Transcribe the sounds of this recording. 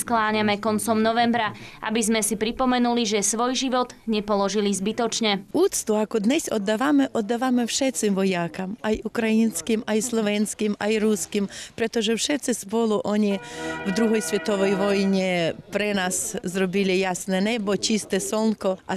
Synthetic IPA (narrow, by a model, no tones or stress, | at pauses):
sklaːɲamɛkɔnt͡sɔmnɔʋɛmbɾaʔa̰bizmɛsipɾipɔmɛnuliʒɛsʋɔjʒiʋɔd̪ɲɛpɔlɔʒilizbit̪ɔt͡ʃɲɛuːt̪st̪uakɔd̪ɲɛsɔd̪ːaʋamɛʔɔd̪ːaʋamɛfʃɛt̪t͡simʋɔjakamajukɾajinskimajslˠɔʋɛnskimajɾuskimpɾɛt̪ɔʒɛfʃɛt̪sispɔlˠuʔɔɲivd̪ɾuɦɔjsʋʲɛt̪ɔʋɔjʋɔjɲɛpɾɛnaszɾɔbilijasnɛnɛbɔt͡ʃist̪ɛsɔnkɔʔa